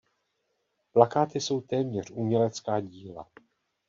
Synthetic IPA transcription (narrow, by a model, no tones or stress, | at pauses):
plakaːt̪ɪso̞wt̪ɛːmɲɛr̝ʔuːmɲɛlɛt͡skaːɟiːla̰